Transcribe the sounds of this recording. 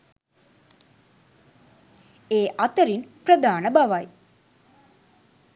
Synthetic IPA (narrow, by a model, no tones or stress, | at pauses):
eːʔat̪əɾinprəd̪aːnəbaʋaj